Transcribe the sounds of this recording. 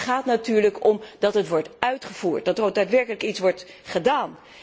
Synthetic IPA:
χaːtnatyːɹləkɔmdɑtɦətʋɔɹtœɥtχəv̥uːɹt̚dɑtodaːtʋɛɹkələkitsʋɔɹt | χədaːn

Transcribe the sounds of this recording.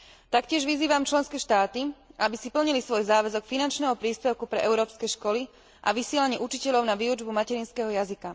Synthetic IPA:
t̪akcɪɛʒʋiziːʋamt͡ʃlɛnskɛːʃt̪aːt̪iabisipl̩ɲilisʋɔjzaːʋɛzɔkfinant͡ʃnɛɦɔpɾiːspɛʊkupɾɛ̰ʔɛʊɾɔːpskɛʃkɔli | ʔa̰ʋisɪɛlaɲɪɛʔut͡ʃicɛʎɔʊnaʋiːud͡ʒbumacɛɾiːnskɛɦɔjazika

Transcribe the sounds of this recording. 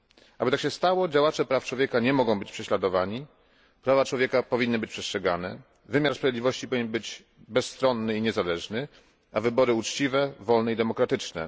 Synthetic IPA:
abɘt̪akɕɛst̪awɔd͡ʑawat͡ʂɛpɾaft͡ʂwɔvʲjɛkaɲɛmɔɡɔ̃w̃bɘt͡ɕpʂɛɕlad̪ɔvaɲi | pɾavat͡ʂwɔvʲjɛkapɔvʲinːɘbɘt͡ɕpʂɛstʂɛɡa̰nɛ̰ | vɘmʲjaɾspɾavjed̪lʲivɔɕt͡ɕipɔvʲiɲʲɛnbɘd͡ʑ | bɛsːt̪ɾɔnːɘiɲɛzalɛʐnɘ | avɘbɔɾɘut͡ʂt͡ɕivɛvɔlnɛid̪ɛmɔkɾat̪ɘt͡ʂnɛ̰

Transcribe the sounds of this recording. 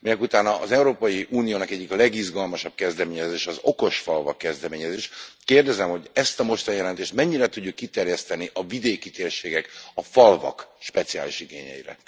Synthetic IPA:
minɛkut̪aːnɒʔːzɛuɾoːpɒjiʔuːnijoːnɒkɛɟːiklɛɡizɡɒlmɒʃɒb̚kɛzd̪ɛmeːɲɛzeːʃɛːzo̞̰ko̞ʃfɒlvɒkːɛzd̪ɛmeːɲɛzeːʃkeːrd̪ɛzɛmho̞ɟɛst̪ɒmo̞ʃt̪ɒnijɛlɛnt̪eːʃt̪mɛɲːiɾɛt̪uɟːukːit̪ɛrjɛst̪ɛniʔɒvid̪eːkit̪eːrʃeːɡɛkɒfɒlvɒ̰kʃpɛt̪sia̰ːliʃiɡeːɲɛ̰jḭɾɛ̰

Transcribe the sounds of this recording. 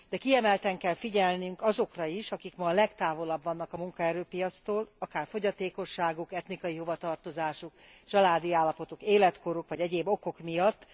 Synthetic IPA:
d̪̥ɛkiɛmɛlt̪ɛŋkɛlfiɟɛlnyŋkɒzo̞krɒiʃɒkikmɒlɛkt̪aːvo̞lɒbvɒnːɒkɒmuŋkɒɛɾøːpijɒt̪st̪oːlɒkaːrfo̞ɟɒt̪eːko̞ʃːaːɡukɛt̪nikɒjiɦo̞vɒt̪ɒrt̪o̞zaːʃukt͡ʃɒlaːd̪iaːlːɒpo̞t̪okeːlɛt̪koɾukʋɒɟɛɟeːbːo̞ko̞kmijɒt̪ː

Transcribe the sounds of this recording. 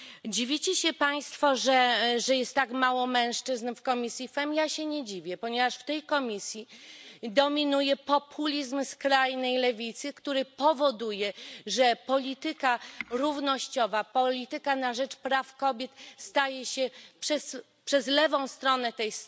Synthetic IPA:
d͡ʑivʲit͡ɕɛɕɛpaj̃st̪fɔʐɛʐɛjɛst̪ːakmawɔmɛ̃w̃ʂt͡ʂɘznfkɔmʲisʲjifɛmjaɕɛɲɛd͡ʑivʲjɛpɔɲɛvaʂft̪ɛjkɔmʲisʲjid̪ɔmʲinujɛpɔpʰulʲizmskɾajnɛjlɛvʲit̪sɘkt̪uɾɘpɔvɔd̪ujɛʐɛpɔlʲit̪ɘkaɾuvnɔɕt͡ɕɔvapɔlʲit̪ɘkanaʐɛt͡ʂpɾafkɔbʲjɛt̪st̪ajɛɕɛpʂɛs | pʂɛzlɛvɔ̃w̃st̪ɾɔnɛt̪ɛjs

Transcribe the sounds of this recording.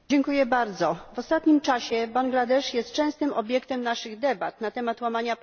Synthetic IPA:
d͡ʑɛŋkujɛbaɾd̪zɔvɔst̪at̪ɲimt͡ʂaɕɛbaŋɡlad̪ɛʂjɛst̪̚t͡ʂɛ̃w̃st̪ɘmɔbʲjɛkt̪ɛmnaʂɘɣd̪ɛbat̪nat̪ɛmat̪wamaɲa

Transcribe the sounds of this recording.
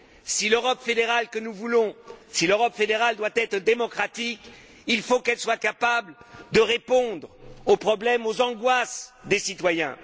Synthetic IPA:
siløʁɔpfed̪eʁalkənuvulɔ̃siløʁɔpfed̪eʁald̪wat̪ɛt̪χəd̪emɔkχat̪ik | ilfokɛlswakapabld̪əʁepɔ̃d̪ʁopχɔblɛmozɑ̃ɡwasd̪esit̪wajɛ̃

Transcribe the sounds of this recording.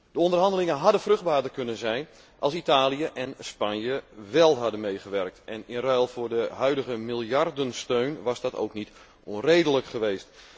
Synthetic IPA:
d̥əondərɦɑndəlɪŋənɦɑdənfrɵɣd̚baːdərkɵnənzɛjn | ʔɑlˠsitaːliəʔɛnspanjəʋɛlˠɦɑdənmejɣəʋɛrk̚tɛnɪnrœːlˠfʊːrdəɦœɥdəɣəmɪlˠjardənstøɥnʋɑzdɑto̰wknit | onrejdələkχəʋeːst

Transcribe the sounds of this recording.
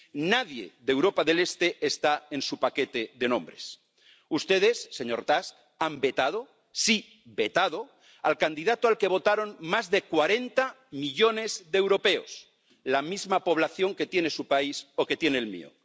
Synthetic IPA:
naðje̞̰ðewɾo̞paðe̞le̞st̪e̞ːst̪ae̞nsupake̞t̪e̞ðe̞nõ̞mbɾe̞s | ust̪e̞ð̞e̞sːe̞ɲo̞ɾt̪ask | ambe̞t̪að̞o̞ | si | be̞t̪aðo̞ | a̰lkand̪iðat̪oalke̞β̞o̞t̪aɾo̞nmazðe̞kwaɾe̞nt̪a | miʎo̞ne̞zðewɾo̞pe̞o̰s | lamizmapo̞β̞laθjo̞ŋke̞t̪je̞ne̞supaiso̞ket̪je̞neːlmḭo̰

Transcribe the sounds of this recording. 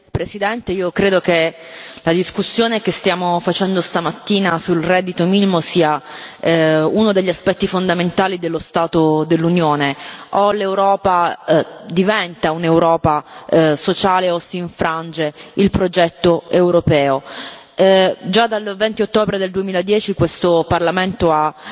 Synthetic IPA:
pɾesid̪ɛnt̪eiːokɾeːd̪oke | lad̪iskusːjoːnekest̪jaːmofat͡ʃɛnd̪ost̪amat̪ːiːnasulrɛd̪ːit̪ominimosiːa | unod̪eʎːiaspɛt̪ːifond̪ament̪aːlid̪elːost̪aːt̪od̪elːunjoːneolewɾɔːpa | d̪ivɛnt̪aunewɾɔːpasot͡ʃaːleosiːɱfɾand͡ʒeilpɾod͡ʒɛt̪ːoewɾopɛːo | d͡ʒad̪alvɛnt̪iot̪ːoːbɾed̪eld̪uemiːlad̪jɛːt͡ʃikwest̪oparlament̪oa

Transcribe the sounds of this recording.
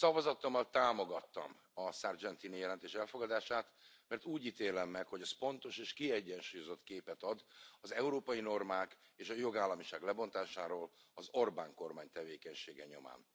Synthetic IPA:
sɒvɒzɒt̪ːomːɒlt̪aːmo̞ɡɒt̪ːɒ̰m | ɒsard͡ʒɛnt̪iːnijɛlɛnt̪eːʃɛlfo̞ɡɒd̪aːʃaːt̪mɛrt̪uːɟit̪eːlɛmːɛkho̞ɟɒspo̞nt̪o̞ʃeːʃkiɛɟːɛnʃuːjo̞zo̞t̪keːpɛt̪ɒd̪ɒzɛuɾoːpɒjino̞rmaːkeːʃɒjo̞ɡaːlːɒmiʃaːɡlɛbo̞nt̪aːʃaːɾoːlɒzo̞rbaːŋko̞rmaːɲt̪ɛveːkɛɲʃeːɡɛɲo̞̰ma̰ːn

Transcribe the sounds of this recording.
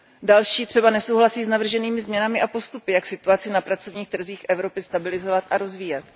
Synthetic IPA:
dalʃiːt̪r̝̥ɛbanɛsowɦlasiːznavr̩ʒɛniːmɪzmɲɛnamɪʔapo̞st̪upɪjaksɪt̪uat͡sɪnapɾat͡so̞vɲiːxt̪r̩ziːxʔɛvɾo̞pɪst̪abɪlɪzo̞vat̪ʔaɾo̞zviːjɛt̪

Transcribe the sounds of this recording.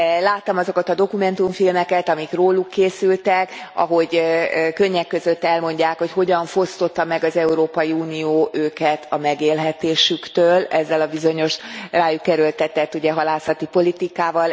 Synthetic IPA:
laːt̪ːɒmɒzokɒt̪ɒd̪o̞kumɛn̪t̪uɱfilmɛkɛt̪ɒmikroːlukʰːeːsylt̪ɛkɒ̰ɦo̞ɟkø̞ɲːɛkːø̞zø̞t̪ːɛlmo̞ɲɟaːkho̞cho̞ɟɒɱfo̞st̪o̞t̪ːɒmɛɡɒzɛuɾoːpɒjiuːnijoːʔøːkɛt̪ʰɒmɛɡeːlɦɛt̪eːʃykt̪øːlɛzːɛlɒbizo̞ɲo̞ʃraːjukːɛɾølt̪ɛt̪ɛt̪ːuɟɛɦɒlaːsɒt̪ipo̞lit̪ikaːvɒl

